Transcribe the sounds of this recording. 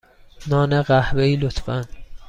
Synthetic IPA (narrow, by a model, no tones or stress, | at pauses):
nɒːneɢæhbeiːlot̪ʰfæn